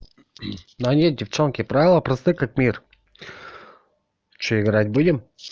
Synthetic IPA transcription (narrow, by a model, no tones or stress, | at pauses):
noɐnʲedʲɪft͡ɕonkʲɪpɾavʲɪlˠəpɾɐst̪ɨkak̚mʲir | t͡ɕoɪɡɾat̚ʲbudʲɪm